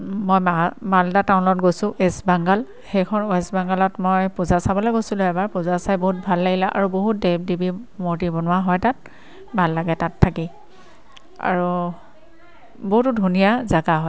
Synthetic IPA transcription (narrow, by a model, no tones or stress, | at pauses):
mojamaldataʊnɔt̚ɡojsʊ̃ʔesbaŋɡal | xejkʰɔnoɛsbaŋɡalɔtmojpuzasabɔlojɡojsulʊɛbaɹpuzasajboɦut̚bʱalːaɡilaʔa̰ɹuboɦut̚deb̚dibimoɹtibɔnʊaɦɔjtat̚ | bʱalːaɡɛtatʰːaki | a̰ɹu | boɦutʊdʱunijazaɡaɦɔj